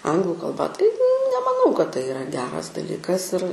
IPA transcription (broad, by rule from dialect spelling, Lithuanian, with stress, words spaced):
ˈɐŋɡlˠʊ kɐlˠˈbɐ tɐɪ nʲɛmɐˈnɐʊ kɐt tɐɪ ɪˈrɐ ˈɡʲæːrɐs dɐˈlʲiːkɐs ɪr